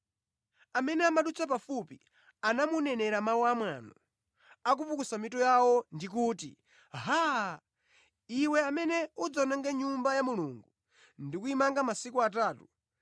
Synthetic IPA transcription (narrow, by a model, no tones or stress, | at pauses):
amɛnɛamaɗut͡sʰapafupi | anamunɛnɛɾamawuamwanu | ak̬upukusamitɔjawɔndik̬uːtḭ | ɦa | iwɛamɛnɛud͡zɔnaŋɡɛɲumbajamuluŋɡu | ndikuimaŋɡamasikuat̬aːtu